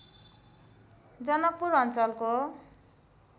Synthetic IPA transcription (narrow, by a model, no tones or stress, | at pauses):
d͡zʌnʌk̚pːuɾʌnt͡sʌlko